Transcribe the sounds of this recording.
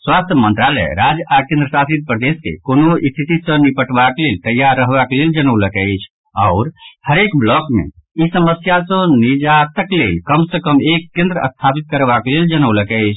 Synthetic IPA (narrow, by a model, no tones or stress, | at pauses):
swast̪ʰjəmənt̪ɾalɛ̰ɾad͡ʒakẽnd̪ɾəsasit̪̚pɾəd̪eskḛkonoist̪ʰit̪isə̃nipəʈbaklelt̪əjːaɾːəɦbakleld͡ʒənələkɛɪt͡ʃʰ | ɔʊɾhəɾekblɔkmḛisəməsjasə̃nid͡ʒat̪əklḛlkəmsəkəmekːẽnd̪ɾəə̰st̪ʰapit̪̚kəɾbakleld͡ʒənəwləkɛɪt͡ʃʰ